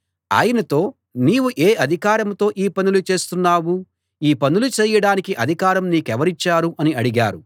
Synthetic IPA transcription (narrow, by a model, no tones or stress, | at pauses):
a̰ːjɐnɐt̪o̞ː | niːwuʔeːʔɐd̪ʱikaːɾɐmt̪o̞ːʔiːpɐnulut͡ʃe̞ːst̪unːaːwu | iːpɐnulut͡ʃɛːjɐɽaːnikiʔɐd̪ʱikaːɾɐmniːkɛʋɐɾit͡ʃːaːɾuʔɐniɐɽiɡa̰ːɾu